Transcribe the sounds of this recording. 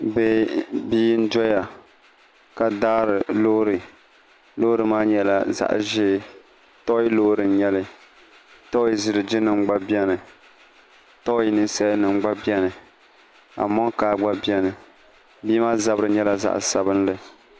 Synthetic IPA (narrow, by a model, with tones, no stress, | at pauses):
bɛ˦biː˦n̩˦dɔ˦ja˨ | ka˨daː˦ɾɨ˨lo˦ɾɨ˨ | lo˦ɾɨ˨maː˦ɲɛ˦la̰˨za̰˦ʔʒeː˦ | tɔ˦i˦lo˦ɾɨ˨n˦ɲɛ˦lɨ˦ | tɔ˦ji˦zɪ˦ɾɨ˨d͡ʒɪ˦nɨ˨ŋ͡mɡ͡ba˦bi˦ɛ˦nɨ˨ | tɔ˦i˦nɨ˦nsɛ˦nɨ˨ŋ͡mɡ͡ba˦bɛ˦nɨ˨ | a̰˨mɔ˦kaː˨ɡ͡ba˦bjɛ˦nɨ˨ | biː˦maː˦za˦bɾɨ˨ɲɛ˦la˨za̰˨ʔsa˨bɨ˦n˦lɨ˨